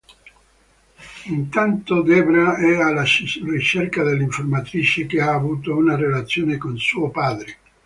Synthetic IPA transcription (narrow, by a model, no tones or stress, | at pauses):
int̪ant̪od̪ɛbnaɛalarit͡ʃerkad̪elːiɱformat̪ɾiːt͡ʃek̟eaːvuːt̪ounarelat̪sːjoːnekonsuːopaːd̪ɾe